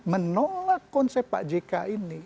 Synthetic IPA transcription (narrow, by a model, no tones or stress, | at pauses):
mənɔlakɔnsepa̰ʔd͡ʒekaini